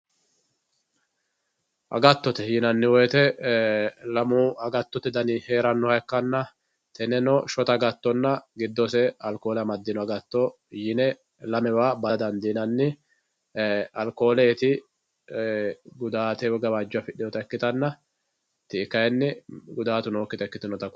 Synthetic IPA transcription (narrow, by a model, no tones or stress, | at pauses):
ʔɐ̰ɡɐt̪ːɔt̪ɛjɪnɐnːɪwɔjt̪ɛ | lɐmuːɐɡɐt̪ːɔt̪ɛd̪ɐniheːɾɐnːɔhɐkːɐnːɐ | t̪ʰɛnɛnɔʃɔt̪ɐɡɐt̪ːɔnːɐɡɪd̪ːɔsɛɐlko̞ːlɐmɐd̪ːɪnɔɐɡɐt̪ːɔ | jɪnɛ | lɐmɛwaːbɐd̪ɐnd̪inɐnːɪ | ɐlko̞ːleːt̪ɪ | ɡʊd̪aːt̪ɛwɔɡɐbaːd͡ʒːʊɐfɪɗɪjɔt̪ɐɛkːɪt̪ɐnːɐ | t̪ɪːkːɐjɛnːɪɡʊd̪aːt̪ʊnoːkːɪt̪ɛkːɪt̪ɪnɔt̪ɐk